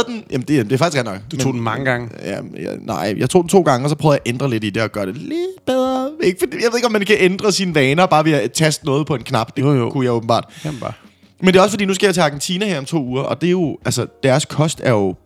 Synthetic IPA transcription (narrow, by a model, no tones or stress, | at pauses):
d̥enjæmn̩d̥ed̥eːfɑɡ̥isɡʁɛdnɒ̽ɡ̥dmeo̰ːdmɑ̈ŋəɡ̥ɑ̈ŋəjæjnɑ̰̈ɪ̰jɑ̈ɪt͡sʰo̰ːd̥n̩t͡sʰo̝̰ːɡ̥ɑ̈ŋəɒ̽sɒ̽pʰʁœːð̩ˠjɑʔend̥ʁɐle̝did̥e̝ɒ̽ɡ̥ɶɐd̥eled̥b̥eð̞ˠʁɐeɡ̥əfɒd̥ḭjɑeðˠeɡ̥ɒmːænkʰæʔend̥ʁɐsinʋɛːnɐb̥ɑ̈ːʋe̝æt͡sʰæsd̥nɔ̽ːð̞̩ˠpʰɒ̽e̝nkʰnɑ̈b̥d̥ekʰujɑ̈ɪoːb̥m̩bɑ̰ːd̥̰ | mend̥eːɒsəfɒdḭːnus̬ɡ̥æjat͡sʰeɑ̈ːɡ̥ent͡sʰiːnæhæɐ̰ɒ̽mt͡sʰo̰ːuːɐʔɒ̽d̥e̝jo̝ʔælsɐd̥æɐskʰɒ̽sd̥æɐjo̝